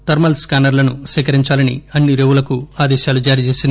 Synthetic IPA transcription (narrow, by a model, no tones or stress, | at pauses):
t̪ɐɾmɐlskaːnɐɾlɐnuʃɛːkɐɾiɲt͡ʃaːlɐnḭɐnːiɾeʋulɐkuaːd̪ɛːʃaːlud͡ʒaːɾiːt͡ʃeːsind̪